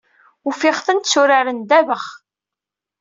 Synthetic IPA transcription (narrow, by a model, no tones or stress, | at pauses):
ufɪʁθənt̪sʊɾaɾənd̪ævəχ